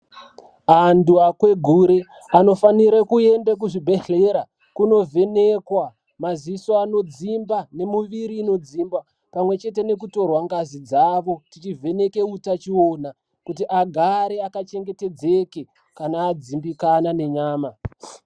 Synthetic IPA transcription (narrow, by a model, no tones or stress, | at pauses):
anduakwe̞ɡʱuɾe | ano̞faniɾakue̞ndek̬uʐibʱeɬeɾa | kuno̞vʱe̞nekwa | maziso̞ano̞d͡zimbane̞muʋiɾiːno̞d͡zimba | pamwe̞t͡ʃe̞te̞ne̞kuto̞rwaŋɡazid͡zaʋo̞tit͡ʃivʱe̞ne̞ke̞utat͡ʃio̞na | kutiʔaɡʱaɾe̞akat͡ʃe̞ŋɡe̞te̞d͡ze̞ke̞ | kanaːd͡zimbikanane̞ɲaːma